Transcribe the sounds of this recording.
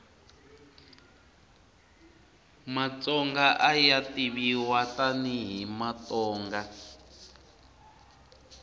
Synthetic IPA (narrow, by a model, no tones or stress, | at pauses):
mat͡sɔŋɡaʔajatiβiwataniɦimat̪ɔːŋɡa